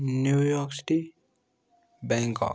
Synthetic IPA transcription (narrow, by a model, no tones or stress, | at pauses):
njujɔːksi̥ʈi | bɛ̃ŋkɔ̰